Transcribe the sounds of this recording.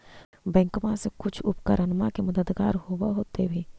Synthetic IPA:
bɛ̃ːŋkmasekʊt͡ʃʰʊpkəɾʔənmakemɐd̪əd̪ɡaːɾɦowaɦoːt̪ebʱiː

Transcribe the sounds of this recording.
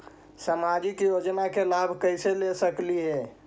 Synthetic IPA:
samad͡ʒikjod͡ʒnakelabʱkəjselesəklie

